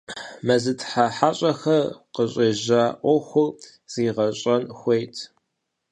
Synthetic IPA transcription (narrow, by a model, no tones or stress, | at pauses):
mɐzɨtʰħaħaːɕʼɐxɐrqəɕʼeʑaːʔʷɔxʷʊ | z̥iːʁɐɕʼɐnxʷejtʰ